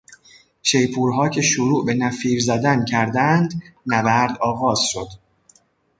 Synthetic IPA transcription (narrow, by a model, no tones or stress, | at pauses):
ʃe̞jpʰuːɾɦɒːcʰe̞ʃoɾuːʔbe̞næfiːɾzæd̪æncʰæɾd̪ænd̪nævæɾd̪ɒːɣɒːz̥ʃo̞d̪̥